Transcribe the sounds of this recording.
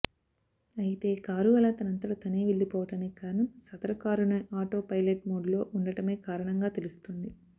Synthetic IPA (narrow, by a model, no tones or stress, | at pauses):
ɐjit̪e̞ːkaːɾuʋɐlat̪ɐnɐnt̪ɐɽɐt̪ɐniːʋeɭːipɔːʋɐʈɐnekaːɾɐnɐmsɐt̪ɐɾɐkaːɾunɐʔaːʈoːpɐjleʈ̚moːɖlo̞ːʔuɳɖɐʈɐme̞ːkaːɾɐɳɐŋɡaːt̪e̞lust̪und̪i